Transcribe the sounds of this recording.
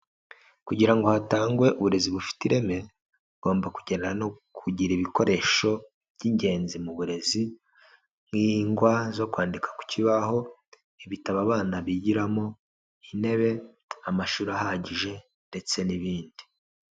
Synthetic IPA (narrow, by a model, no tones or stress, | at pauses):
kuɟiɾaŋɡo̞hataːŋɡwe̞ʔuβuɾe̞ziβufi̥tiɾe̞me̞ | uɡ̥o̞ːmbakuɟeneɾanokʰuɟiɾiβiko̞ɾe̞ʃo̞ | β̥jɟiɲɟe̞ːnzimuβuɾe̞zi | ŋiːŋɡwazo̞kwaːndikḁku̥ciβaɦo̞ | iβitaβaβaːnaβiɟiɾamo̞ | ine̞βe̞ | amaʃuːɾaɦaɟiʒe̞ | nde̞t͡se̞niβiːndi̥